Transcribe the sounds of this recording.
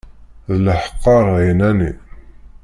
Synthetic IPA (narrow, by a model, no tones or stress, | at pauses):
ðələħə̥qːɑʁjnænḭ